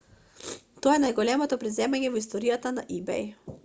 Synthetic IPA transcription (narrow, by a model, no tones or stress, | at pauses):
t̪ojɛnajɡɔlʲɛmɔt̪ɔpɾizɛmaɲjɛvist̪ɔɾijat̪anaʔibɛ̰j